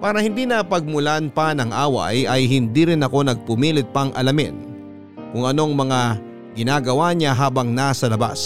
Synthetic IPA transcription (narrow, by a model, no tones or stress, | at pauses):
paːɾɐhɪnd̪inɐpɐɡ̚mʊlanpanɐŋʔaːwɐ̰jɐjɦɪnd̪iːɾɪnɐko̞nɐɡ̚pʊmiːlɪt̪̚pɐŋʔɐ̰lɐmɪ̰n | kʊŋɐno̞ŋmɐŋa | ɡɪnaːɡɐwaɲaɦaːbɐŋnasɐlɐba̰s